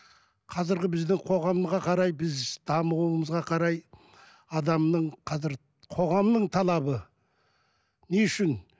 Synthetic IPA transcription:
qʰɑzɪɾɡʲɪbɪzd̪ɪŋqʰo̞ʁɑmʁɑqʰɑɾɑjbɪzd̪̥ɑməʁuməzʁɑqʰɑɾɑj | ɑd̪ɑmnəɴqʰɑzɪɾ | qʰo̞ʁɑmnəɴt̪ʰɑlˠɑbə | neʏʃɪn

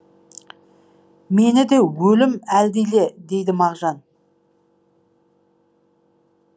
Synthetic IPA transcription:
me̞nɪd̪e̞wɵlɪmæld̪ejle̞d̪e̞jd̪ɪmɑʁʒɑn

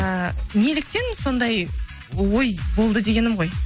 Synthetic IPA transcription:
əne̞lɪk̚t̪e̞nso̞nd̪ɑj | wo̞jbo̞lˠd̪əd̪e̞ɡʲe̞nɪmʁo̞j

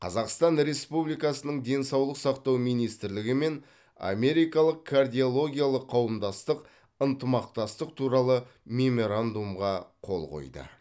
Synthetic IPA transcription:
qʰɑzɑqst̪ɑnɾe̞spublijkɑsənəɴd̪e̞nsɑwlˠəqsɑqt̪ɑwmijnijst̪ɪɾlɪɡʲɪme̞n | a̰me̞ɾijkɑlˠəqkʰard̪ʲijo̞lˠo̞ɡʲijalˠəqʰːɑwəmd̪ɑst̪əq | ənt̪əmɑq̚t̪ɑst̪əq̚t̪ʰuɾɑlˠə | mʲe̞mo̞ɾand̪umʁɑqʰo̞̰lˠqo̞̰jd̪ə̰

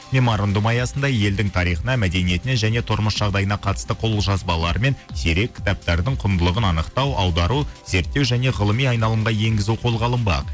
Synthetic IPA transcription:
mʲe̞moɾond̪umɑjɑsənd̪ɑje̞ld̪ɪŋt̪ʰɑɾijχənɑmæd̪e̞nije̞t̪ɪne̞nʒæne̞t̪ʰʊɾməsʒ̥ɑʁd̪ɑjənɑqʰɑt̪ə̥st̪əqʰo̞lˠʒɑzbɑlˠɑɾəme̞nseɾe̞kʲʰːɪ̥t̪ɑp̚t̪ɑɾd̪əɴqʰʊnd̪əlˠəʁənɑnəqt̪ɑwʔɑwd̪ɑɾuze̞ɾt̪ːe̞wʒæne̞ʁəlˠəmijɑjnɑlˠəɴʁɑje̞ŋɡʲɪzuwqʰo̞lˠʁɑlˠəmbɑ̰q

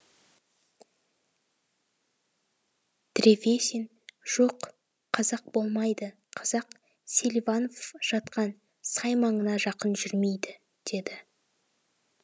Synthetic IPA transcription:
d̪̥reve̞sen | ʒ̥o̞qʰː | ɑzɑq̚bo̞lˠmɑjd̪ə | qʰɑzɑq | selʲvano̞fʒ̥ɑt̪qɑn | sɑjmɑɴənɑʒɑqənʒʏɾme̞jd̪ɪ | d̪̥e̞d̪ɪ

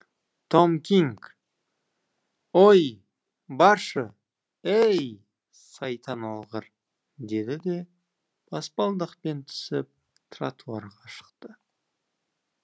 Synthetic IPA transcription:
t̪ʰomkʲiŋk | oj | bɑɾʃə | ej | sɑjt̪ʰɑnɑlˠʁəɾ | d̪e̞d̪ɪd̪e̞ | b̥ʰɑspɑlˠd̪əqpe̞nt̪ʰʏ̥sɪp̚ | t̪ʰɾɑ̰t̪ʰuɑɾʁɑʃə̥qt̪ə

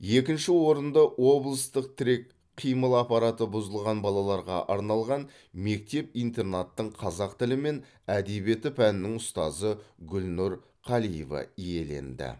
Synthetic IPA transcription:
je̞kʲɪnʃɪwo̞ɾənd̪ɑwo̞blˠəst̪əq̚t̪ʰɪɾe̞k̚ | qʰijməlˠɑpɑɾɑt̪əbʊzəlˠʁɑnbɑlˠɑlˠɑɾʁɑ̰ʔɑɾnɑlˠʁɑn | me̞k̚t̪e̞p̚ijnt̪e̞rnat̪ːəɴqʰɑzɑqt̪ɪlɪme̞n | æd̪e̞bie̞t̪ɪpʰænɪnɪŋʊst̪ɑzəɡʲʏlnʊɾ | qʰɑlijḛvɑ̰ije̞le̞̰nd̪ɪ̰

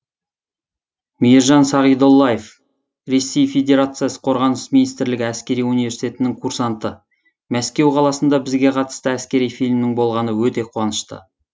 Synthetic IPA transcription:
mijeɾʒɑnsɑʁijd̪o̞lˠːɑje̞f | ɾe̞sːejfʲe̞d̪ʲe̞ɾat̪sɨjasə̥qʰo̞ɾʁɑnəsminijst̪ɪɾlɪɡʲɪæskʲe̞ɾijunivesi̥t̪e̞t̪ɪnɪŋkʰuɾsɑnt̪ə | mæskʲe̞wqʰɑlˠɑsənd̪ɑbɪzɡʲe̞qʰɑt̪ə̥st̪əæskʲe̞ɾijfilʲmnɪŋbo̞lˠʁɑnəwɵt̪e̞qʰuwɑnəʃt̪ə̰

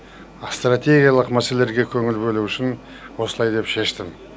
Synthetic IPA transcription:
st̪rat̪ʲe̞ɡʲijalˠəqmæse̞le̞ɾɡʲe̞kʲʰɵŋɪlbɵluʏʃɪn | wo̞səlˠɑjd̪e̞pʃe̞ʃt̪ɪm

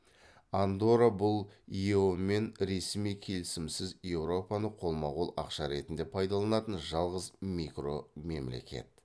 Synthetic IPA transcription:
and̪oɾabʊlˠiome̞nɾe̞smijkʲʰe̞lɪsɪmsɪzje̞wɾo̞pɑnəqʰo̞lˠmɑʁulˠɑ̰qʃɑɾe̞t̪ɪnd̪e̞pʰɑjd̪ɑlˠɑnɑt̪ənʒɑlˠʁəzmikro̞me̞̰mle̞̰kʲe̞̰t̪̚

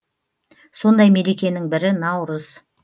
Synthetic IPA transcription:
so̞nd̪ɑjme̞ɾe̞kʲe̞nɪŋbɪɾɪnɑwɾəz̥

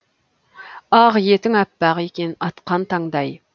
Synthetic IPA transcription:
ɑʁjet̪ɪŋæpːæʁekʲenɑt̪qɑnt̪ʰɑŋd̪ɑj

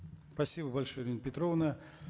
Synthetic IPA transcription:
spɐsʲibəbɐlʲʂojɾʲinpʲɪt̪ɾovnə

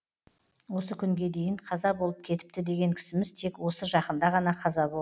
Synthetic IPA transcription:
wo̞səkʲʰʏŋɡʲe̞d̪e̞jɪɴqʰɑzɑbo̞lˠəp̚kʲʰe̞t̪ɪp̚t̪ɪd̪e̞ɡʲe̞ŋkʲʰɪ̥sɪmɪz̥t̪ʰe̞kwo̞səʒɑqənd̪ɑʁɑnɑqʰɑzɑbo

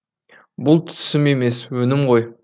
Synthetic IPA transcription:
bʊlˠt̪ʰʏ̥ʏ̥sɪme̞me̞swɵnɪmʁo̞j

